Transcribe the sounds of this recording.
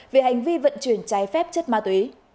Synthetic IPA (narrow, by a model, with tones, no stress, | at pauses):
ve˨˩ha˨˩jŋ̟vi˧və̰˧˨nt͡ɕɨ˧˩ənt͡ɕaː˨˦jfɛ˦˥p̚t͡ɕə˦˥t̚maː˧t̪wi˨˦